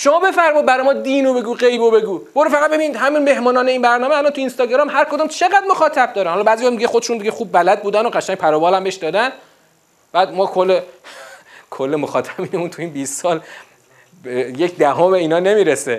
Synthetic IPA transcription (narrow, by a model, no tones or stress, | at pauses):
ʃomɒːbe̞fæɾmɔjd̪̚bæɾɒːjmɒːd̪iːnobe̞ɡuːɢejbobe̞ɡuːmoːɾufæɣæd̪be̞biniːd̪hæminme̞hmɒːnɒːneiːnbæɾnɒːmeælɒnt̪ʰuinst̪ɒːɡɾɒmɦæɾkʰod̪uːmt͡ʃʰe̞ɡæd̪̚moxɒːt̪ʰæb̚d̪ɒːɾænhɒlɒbæːzijɒːmd̪iɟexod̪eʃund̪iɟexuːb̚ːælæd̪̚buːd̪ænoɢæʃæŋ̚ʲpʰæɾɒːbɒːlæmbeʃd̪ɒːd̪æn | b̥æːd̪mɒːkʰolːe | kʰolːemoxɒːt̪ʰæbiːnemunt̪ʰuiːnbiːst̪sɒːl | jecʰd̪æɦomeiːnɒːne̞miːɾese